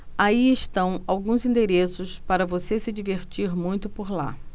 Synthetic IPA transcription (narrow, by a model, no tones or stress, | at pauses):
aiɪʃt̪ɐ̃w̃awɡũzĩnd̪eɾesʊspaɾɐvosesɪd͡ʒiveɾt͡ʃiɾmũj̃t̪ʊpoɾla̰